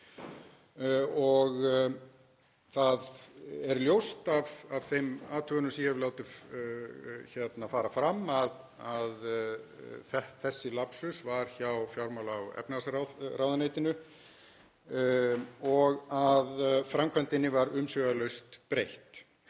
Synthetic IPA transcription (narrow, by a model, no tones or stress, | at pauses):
ɔɣ | θaðɛɾljowst̪av̥av̥θejmaːt̪ʰœɣʏnʏmsihɛvlaːwt̪ɪ | çɛt̪nafaːɾafɾamːað | að | θɛθɛsːɪlapsʏsvaɾ̥çawfjawɾmawlaawɛ̰pnasɾarawðanejt̪ɪnʏ | ɔɣaðfɾamkʰvœnt̪ɪnːɪvaɾʏmsœɣalœɥst̪pɾejht̪